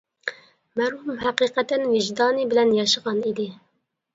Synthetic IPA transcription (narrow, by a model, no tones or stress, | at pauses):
mɛɾhumhæqiːqɛt̪ɛnviʒd̪ɑːniːbɨlɛnd̪jɑʃɨɣɑːnid̪i